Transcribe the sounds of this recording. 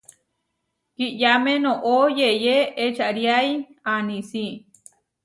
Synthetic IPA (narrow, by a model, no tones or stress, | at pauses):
kiʔjamẽnõʔojejeet͡ʃaʔɾjajanĩsi